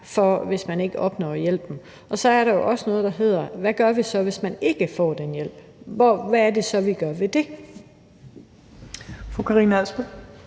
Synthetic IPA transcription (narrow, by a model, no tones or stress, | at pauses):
fɒʋe̝smæne̝ɡ̥əʔɒ̽b̥nɒ̰ːjel̰b̥m̩ | ʔɒ̽sɒ̽æɐɾɑ̈jo̝ʔɒ̽sənɔ̽ːðˠd̥ɑ̈ɦe̝ð̞̰ˠɐʋæɡ̥ɶɐʋisɒ̽ʋe̝smæne̝ɡ̥əfɒ̰ːd̥enjel̰b̥ | ʋɒʋæːɐd̥e̝sɒ̽ʋiɡ̥ɶɐʋe̝d̥e̝ | fʁokʰɑʁiːnælsb̥ə